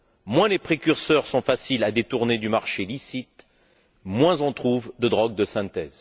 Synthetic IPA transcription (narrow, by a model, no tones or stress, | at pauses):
mwɛ̃lepχekʲyʁsœʁsɔ̃fasilad̪et̪uʁned̪ymaʁʃelisit̪ | mwɛ̃zɔ̃t̪χuvd̪əd̪ʁɔɡ̚d̪əsɛ̃t̪ɛːz